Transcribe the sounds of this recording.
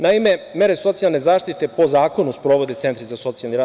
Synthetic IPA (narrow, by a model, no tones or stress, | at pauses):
naime̞me̞ɾeso̞t̪sijalˠne̞zaːʃt̪it̪e̞po̞zaːko̞nuspɾo̞ʋo̞d̪e̞t̪se̞nt̪ɾizaso̞t̪sialniɾaː